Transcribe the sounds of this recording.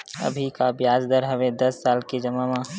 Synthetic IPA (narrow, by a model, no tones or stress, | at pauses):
ɐ̰bʱikabjaːzd̪əɾɦəʋed̪ɐsːaːlkid͡ʒɐmamã